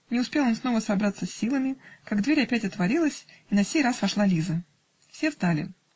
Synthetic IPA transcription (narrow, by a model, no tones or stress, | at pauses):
nʲɪʊspʲe̞lˠo̞nsno̞vəsɐbɾat̪səsʲːilˠəmʲɪkaɡd̪vʲeɾʲɐpʲætʲɐt̪vɐɾʲilˠəsʲinɐfsʲejrasvɐʂlˠalʲizə | fsʲe̞zd̪alʲɪ̰